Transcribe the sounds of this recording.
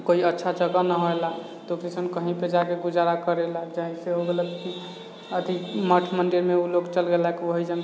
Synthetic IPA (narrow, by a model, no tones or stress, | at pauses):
koiətːʃʰad͡ʒəɡanəɦoela | t̪okɾisənkəɦĩped͡ʒakeɡud͡ʒaɾakəɾelad͡ʒaɦĩseɦoɡelək̪ki | əd̪ʱiməʈʰməɳɖeɾmeuloɡt͡ʃəlɡelakiʋəɦid͡ʒəŋ